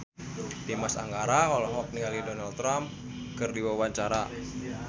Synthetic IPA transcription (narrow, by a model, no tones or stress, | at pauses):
timasa̰ŋɡaɾaɔlɔɦwak̚nialidɔnalt̪ɾam | kɨrdiwawaɲt͡ʃaɾa